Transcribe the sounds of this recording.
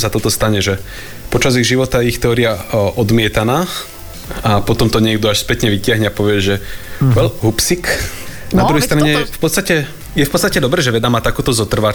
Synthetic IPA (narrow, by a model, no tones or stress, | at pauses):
sat̪ɔt̪ɔst̪aɲɛʒɛ | pɔt͡ʃaziɣʒiʋɔt̪ajɛixt̪ɛɔːɾiaʔɔd̪mɪɛt̪anaː | apɔt̪ɔmt̪ɔɲɪɛɡ̚d̪ɔaʃspɛt̪ɲɛʋicɪaɦɲɛapɔʋɪɛʒɛʋɛlɦupsiknad̪ɾuɦɛjst̪ɾaɲɛjɛfpɔt̪t͡sst̪acɛ | jɛfpɔt̪st̪acɛd̪ɔbɾɛːʒɛʋɛd̪amaːt̪akuːt̪ɔzɔt̪r̩ʋa